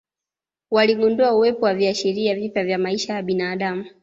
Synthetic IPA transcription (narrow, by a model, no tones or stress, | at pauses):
waliɠunduauwɛpɔwaviaʃiɾiavipjavjamaiʃajaɓinaːɗamu